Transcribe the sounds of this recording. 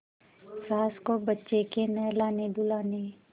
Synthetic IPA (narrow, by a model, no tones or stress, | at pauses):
saːskobətːʃekenɛlaːnebʊlaːne